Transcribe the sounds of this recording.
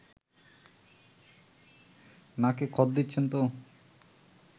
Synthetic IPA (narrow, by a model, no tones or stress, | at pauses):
nakekʰɔt̪̚d̪it̪ːɕʰent̪o